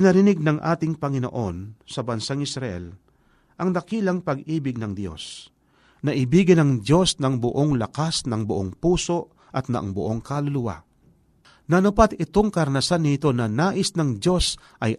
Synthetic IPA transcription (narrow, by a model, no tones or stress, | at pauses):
pɪnɐɾɪnɪɡ̚nɐŋʔa̰ːt̪ɪŋpɐŋɪno̞̰ʔo̞nsɐbɐnsaŋɪsɾɐʔɛ̰l | ʔɐŋd̪ɐkiːlɐŋpɐɡʔiːbɪɡ̚nɐŋd̪jo̞̰s | nɐʔɪbiːɡɪnɐŋd̪jo̞snɐŋbʊʔo̞ŋlɐkasnɐŋbʊʔoŋpuːso̞ | ʔɐt̪̚nɐa̰ʔŋbʊʔo̞ŋkalʊlʊwa̰ | nɐnʊpat̪ɪt̪o̞ŋkɐɾnɐsanːɪt̪o̞nɐnaːʔɪsnɐŋd̪jo̞s | ʔɐj